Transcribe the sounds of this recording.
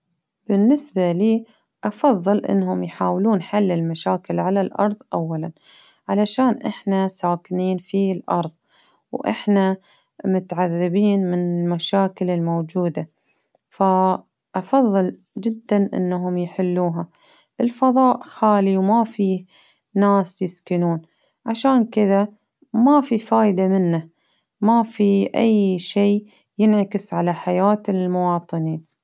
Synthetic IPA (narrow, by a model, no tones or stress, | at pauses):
b̥ɪnːɪsbaliː | ʔɑfɑðˤːɨlʔɪ̰nːhʊmjħaːwluːnħalːɪlmaʃaːkɪlʕalalʔɑ̰ɾˤðˤʔa̰wːalan | ʕalaʃaːnʔɪħnasaːkɪniːnfilʔɑɾˤðˤ | wʔɪ̰ħna | mʊt̪ʕaðːɪbiːnmɪnɪlmaʃaːkɪlɪlmowd͡ʒuːd̪a | fa | ʔɑfɑðˤːɨl | d͡ʒɪd̪ːanʔɪ̰nːaɦʊmjħɪlːuːɦa | ʔɪlfɑðˤɑːʔxaːliwmafi | naːsjɪskɪnuːn | ʕaʃaːnkɪða | mafifaːjd̪amɪnːa | mafiʔajːʃeː | jɪnʕakɪsʕalaħajaːt̪ɪlmʊwɑːt̪ˤɨniːn